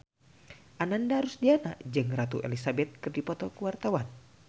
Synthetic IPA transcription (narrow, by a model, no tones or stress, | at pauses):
ʔanandaɦaɾʊsdiana̰ʔd͡ʒɨŋɾat̪ṵʔḛlisabɛt̪̚kɨrdipɔt̪ɔkəwart̪awan